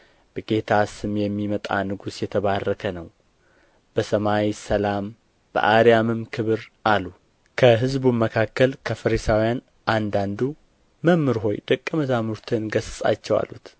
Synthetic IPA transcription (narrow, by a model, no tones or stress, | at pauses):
b̥əɡe̞t̪ʰasɨmjɛmːimət̪ʼanɨɡusjɛt̪ʰəβarːəkʰənəw | b̥əsəmawisəlam | b̥ə̰ʔaɾijamɨmkʰɨβɨɾʔalu | kʰəɦɨzbuməkʰakːəlkʰəfəɾisawjan | ʔand̪and̪u | məmːɨɾɦo̞̰jd̪əkʼːəməzamuɾt̪ʰɨnɡəsɨsʼa̰t͡ʃːɛwa̰lːut̪